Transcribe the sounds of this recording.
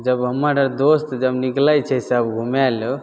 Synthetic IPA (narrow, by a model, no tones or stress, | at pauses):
d͡ʒəbɦəmːaɖəɾd̪ost̪d͡ʒəbniklajt͡ʃʰɛseəbɡʱumalu